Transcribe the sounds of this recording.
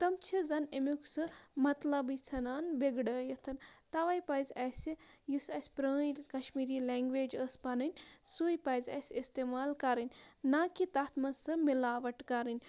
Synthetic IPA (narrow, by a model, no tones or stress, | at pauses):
t̪ɐmt͡ʃʰizɐnemuksɨmɐt̪lɐbit͡sʰɐnaːnbeɡɖɐːjɐt̪ʰɐnt̪ɐʋɐjpɐjzʲɐsijusɐsʲpɾəːikɐʃmiːɾiːlɛːŋɡʋeːd͡ʒəspɐnɐnʲsujpɐjzʲɐ̰sʲist̪eːmaːlkɐɾɨnʲnaːkit̪ɐt̪ʰmɐsɨmilaːʋɐʈkɐɾɨnʲ